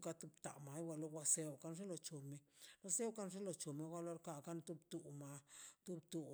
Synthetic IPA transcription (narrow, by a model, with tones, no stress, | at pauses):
ka˧t̪u˧bt̪a̰˨ma˨˦jwʷa˧lo˧ɡʷa˧se˧wka˧nʂe˦lo˨t͡ʃo˨me˧wʷa˦se˦wka˦nʐe˦lo˨t͡ʃo˨me˧ɡʷa˧˦lo˧ɾka˧ka˦nt̪u˧bt̪u˨ma˧t̪u˦bt̪u˨˧